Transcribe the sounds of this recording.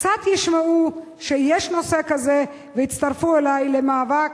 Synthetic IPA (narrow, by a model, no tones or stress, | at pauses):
t͡sat̪jiʃmau | ʃejɛʃnosekaze | veit̪t͡st̪aʁfuelajlemaːvak